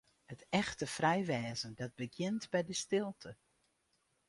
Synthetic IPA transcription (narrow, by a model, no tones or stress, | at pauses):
hətɛxtəfrɛjʋɛːzəndɑd̚bəɡjɪntbɛjdəstɪlˠtʰə